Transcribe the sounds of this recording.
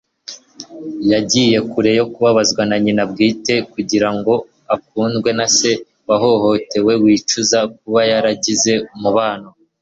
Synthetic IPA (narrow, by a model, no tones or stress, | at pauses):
jaɟiːje̞kuɾe̞jo̞kuβaβazɡwanaɲinab̚ɡiːte̞kuɟiɾaŋɡo̞ | akuːnzɡwe̞nase̞ | βaɦo̞ho̞te̞we̞wiːt͡ʃuzak̚uβajaɾaɟize̞muβaːno